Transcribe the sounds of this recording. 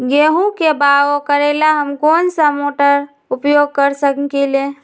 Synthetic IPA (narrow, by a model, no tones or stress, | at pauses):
ɡeɦũkebaokəɾelaɦəmkoːnsamoʈəɾ | upjoɡ̚kəɾsəkkele